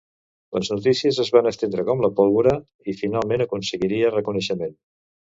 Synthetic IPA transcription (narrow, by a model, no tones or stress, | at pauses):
ləznut̪isiəzəzβanəst̪end̪ɾəkɔmləpɔlˠβuɾə | ifinalˠmenəkunsəɣiɾiərəkunəʃəmen